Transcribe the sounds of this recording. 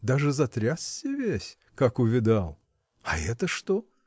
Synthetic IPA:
d̪aʐɨzɐt̪ɾʲasʲːɪvʲesʲ | kakʊvʲɪd̪alˠ | ɐɛt̪əʂt̪o

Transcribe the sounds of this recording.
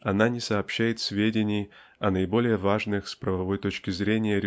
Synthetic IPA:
ɐnanʲɪsɐːpɕːæjɪt̪sʲvʲedʲɪnʲɪj | ɐnəɪbo̞lʲɪjəvaʐnɨxspɾəvɐvo̞jt̪ot͡ɕkʲɪzɾʲenʲɪjəɾʲ

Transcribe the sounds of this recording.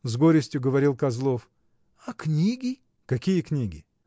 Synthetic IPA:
zɡoɾʲɪsʲtʲjʊɡəvɐɾʲilˠkɐzlˠof | ɐknʲiɡʲɪ | kɐkʲijəknʲiɡʲɪ

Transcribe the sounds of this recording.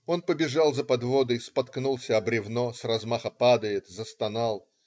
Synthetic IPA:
o̞npəbʲɪʐalˠzəpɐd̪vod̪ɨspɐt̪knulˠsʲəɐbɾʲɪvnosrɐzmaxəpad̪əjɪt̪zəst̪ɐnalˠ

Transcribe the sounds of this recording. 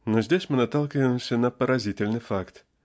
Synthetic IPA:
nozʲdʲesʲmɨnɐt̪ːalˠkʲɪvəmsʲənɐpəɾɐzʲitʲɪlʲnɨjfakt̪

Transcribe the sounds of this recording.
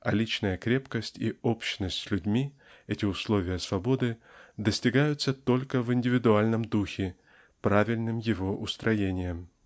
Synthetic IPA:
ɐlʲit͡ɕnəjəkɾʲe̞pkəsʲtʲḭopɕnəsʲtʲsʲlʲʉdʲmʲi | ɛtʲɪʊslˠo̞vʲɪjəsvɐbo̞d̪ɨd̪əsʲtʲɪɡajʊt̪sət̪o̞lʲkəvɪnʲdʲɪvʲɪd̪ʊalʲnəmd̪uxʲɪ | pɾavʲɪlʲnɨmjɪvo̞ʔʊst̪ɾɐjenʲɪjəm

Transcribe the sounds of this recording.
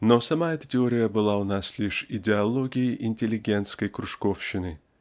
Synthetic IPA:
nosɐmaɛt̪ətʲɪoɾʲɪjəbɨlˠaʊnaslʲiʂɪdʲɪɐlˠo̞ɡʲɪjɪʔɪnʲtʲɪlʲɪɡʲent̪skəjkɾʊʂkofɕːɪnɨ

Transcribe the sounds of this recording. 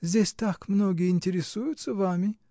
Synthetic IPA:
zʲesʲt̪akʰmnoːɡʲeinʲt̪ʰʲeɾʲesujut̪t͡s̪ɨvaːmi

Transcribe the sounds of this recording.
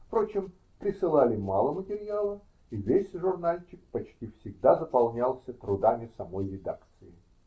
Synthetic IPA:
fpɾo̞t͡ɕɪm | pɾʲɪsɨlˠalʲɪmalˠəmətʲɪɾʲɪjalˠə | ivʲesʲʐʊrnalʲt͡ɕɪk̚pɐt͡ɕtʲifsʲɪɡd̪azəpɐlˠnʲalˠsʲət̪ɾʊd̪amʲɪsɐmo̞jɾʲɪd̪a̰kt̪sɨɪ

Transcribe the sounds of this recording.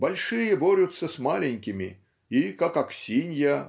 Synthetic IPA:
bɐlʲʂɨjəboɾʲʊt̪sːəsmalʲɪnʲkʲɪmʲɪ̰ | ikakaksʲinʲja

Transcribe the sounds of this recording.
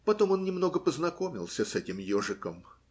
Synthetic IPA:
pɐt̪o̞mo̞nnʲɪmno̞ɡəpəznɐko̞mʲɪ̰lˠsʲəsɛtʲɪmjoʐɨkəm

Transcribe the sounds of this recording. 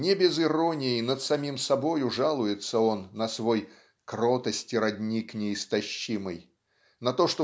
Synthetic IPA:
nʲɪbʲɪzɪɾo̞nʲɪjɪnət̪sɐmʲimsɐbo̞jʊʐalˠʊjɪt̪səo̞nːəsvo̞j | kɾo̞t̪əsʲtʲɪɾɐdʲnʲiknʲɪɪst̪ɐɕːimɨj | nɐt̪o̞ʂt̪o

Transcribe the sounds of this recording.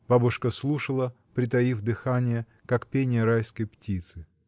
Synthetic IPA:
b̥abʊʂkəslˠuʂəlˠə | pɾʲɪt̪ɐjivd̪ɨxanʲɪjə | kakpʲenʲɪjəɾajskəjptʲit̪sɨ

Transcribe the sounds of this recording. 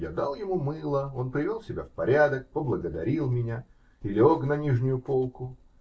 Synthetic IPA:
jad̪alˠjɪmumɨlˠəo̞npɾʲɪvʲo̞lˠsʲɪbʲafpɐɾʲad̪ək̚pəblˠəɡəd̪ɐɾʲilˠmʲɪnʲa | ilʲɪoknɐnʲiʐnʲʊjʊpo̞lˠkʊ

